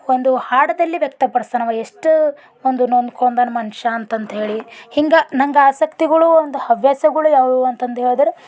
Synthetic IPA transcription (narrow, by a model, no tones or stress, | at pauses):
o̞nd̪uhaːɽɐd̪ɐlːiʋjɐk̚t̪ɐpɐɽst̪ɐnɐʋɐeʂʈ | ond̪unond̪kʰond̪ɐnɐmɐnʃɐːnt̪ɐnt̪ɐɦe̞ːɭihiŋɡɐnɐŋɡɐaːsɐkt̪iɡɐɭuond̪uhɐʋjaːsɐɡɐɭujaːʋduɐnt̪ɐnt̪ɐɦeːɭd̪ɐɾe